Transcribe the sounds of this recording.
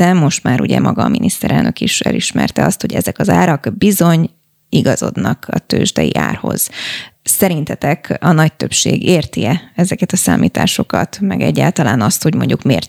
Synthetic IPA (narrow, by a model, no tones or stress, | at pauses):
ɛmːo̞ʃt̪maːɾuɟɛmʔɒɡɒːminist̪ɛɾɛlnøkiʃɛ̰lʔiʃmɛ̰rt̪ɛɒst̪ho̞ɟɛzɛkɒzaːɾɒɡbizo̞ɲ | iɡɒzo̞d̪nɒkɒt̪øːʒd̪ɛjḭʔa̰ːrho̞z̥sɛɾint̪ɛt̪ɛkɒnɒc̚t̪ø̞pʃeːɡeːrt̪iɛɛzɛkɛt̪ɒsaːmiːt̪aːʃo̞kɒt̪mɛɡɛɟːaːlt̪ɒlaːnɒst̪ho̞ɟmo̞ɲɟukmeːrt̪